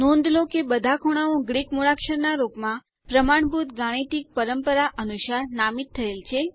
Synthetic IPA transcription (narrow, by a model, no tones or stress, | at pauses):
nõnd̪lokebəd̪ʱakʰoɽ̃aõɡɾikmoɽakʃəɾnaɾokmã | pɾəmaɳ̃bʱut̪ɡaɽ̃it̪ik̚pəɾəmpəɾaʔənuʃaɾnamit̪ʰːəelt͡ʃʰe